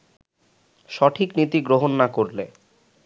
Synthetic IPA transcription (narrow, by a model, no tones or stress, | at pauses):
ʃɔʈʰiknit̪iɡɾoɦonːakoɾle